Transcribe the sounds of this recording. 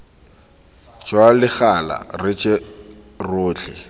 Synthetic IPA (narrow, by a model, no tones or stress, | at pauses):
t͡ʃʼwalɪχala̰rɪt͡ʃʼe | rʊːt͡ɬʰɛ